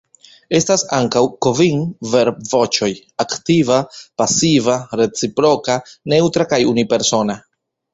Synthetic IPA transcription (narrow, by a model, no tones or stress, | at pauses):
e̞stasaŋkawkoviŋve̞ɾbvo̞t͡ʃo̞j | aktivapasivaɾe̞t͡sipɾo̞kane̞wtɾakajunipe̞ɾso̞na